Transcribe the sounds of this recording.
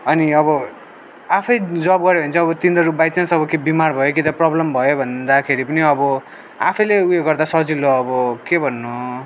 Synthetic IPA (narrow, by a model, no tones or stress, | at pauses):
ʌniʌβʌ | apʰʌjd͡zʌbɡʌɾebʱʌnt͡sʰʌ̃ʌbʌt̪ind̪ʌɾupbajt͡sansʌbʌkebimarbʱʌjokit̪ʌprʌblʌmbʱʌjobʱʌnd̪akʰeɾipʌniʌbʌ | apʰʌjleujeɡʌrd̪asʌd͡ziloːbʌkebʱʌnːo